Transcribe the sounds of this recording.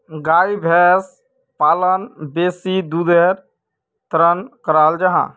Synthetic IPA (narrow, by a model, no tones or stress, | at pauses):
ɡaːibʱɛːs | paːlənbeːsid̪ud̪eɾ | t̪ɾənkəɾaːld͡ʒəɦã̰ː